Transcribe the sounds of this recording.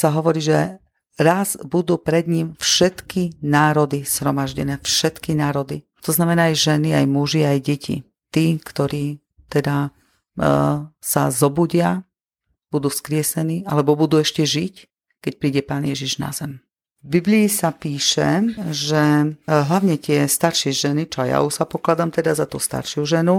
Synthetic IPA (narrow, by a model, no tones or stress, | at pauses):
saɦɔʋɔɾiːʒɛ | ɾazbud̪uːpɾɛd̪ɲimfʃɛt̪kinaːɾɔd̪iz̥hɾɔmaʒɟɛnɛːfʃɛt̪kinaːɾɔd̪ḭ | t̪ɔznamɛnaːjʒɛniajmuʒiajɟɛcʰḭ | t̪iːkt̪ɔɾiː | t̪ɛd̪a | sa̰zɔbuɟɪa | b̥ud̪uːfskɾɪɛsɛniːalɛbɔbud̪uːɛʃcɛʒic | kɛc̚pɾiːɟɛpaːnjɛʒiʒna̰zɛm | bibliːsapiːʃɛʒɛɦlaʋɲɛt̪ɪɛst̪aɾʃɪɛʒɛnit͡ʃɔaja̰uʃsapɔklad̪amt̪ɛd̪azat̪uːst̪a̰ɾʃɪuʒɛnu